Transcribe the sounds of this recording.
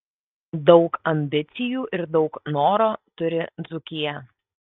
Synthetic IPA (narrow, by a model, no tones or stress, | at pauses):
d̪ɒʊkɐmʲbʲɪt̪sʲɪjuːʔɪɾd̪ɒʊknoːɾoːt̪ʊɾʲɪd̪zʊkʲɪjɛ